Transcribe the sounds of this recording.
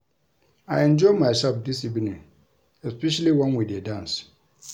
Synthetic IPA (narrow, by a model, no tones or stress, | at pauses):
aɪɛ̃nd͡ʒɔɪmaɪsɛlfdisibinĩn | ɛspɛʃaliwãnwidedãns